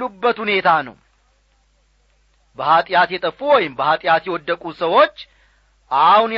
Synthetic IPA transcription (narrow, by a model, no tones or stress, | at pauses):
ubːət̪hune̞t̪ʰanə̰w | bəhat̪ʼɪjat̪jɛt̪ʼəfːuwɔjɪmbəhat̪ʼɪjat̪jɛwɔd̪ːəkʼusəwo̞t͡ʃː | ʔahʊnj